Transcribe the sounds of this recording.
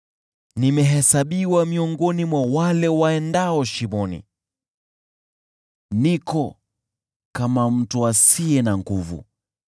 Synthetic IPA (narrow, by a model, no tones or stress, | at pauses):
nimɛɦɛsaɓiwamiɔŋɡɔnimwawalɛwaɛndaɔʃimɔnḭ | nikɔ | kamam̩tuasiɛnaŋɡuvṵ